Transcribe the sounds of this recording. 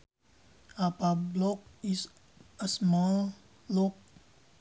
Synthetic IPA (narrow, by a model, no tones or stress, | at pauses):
apablɔk̚is | əsma | lok̚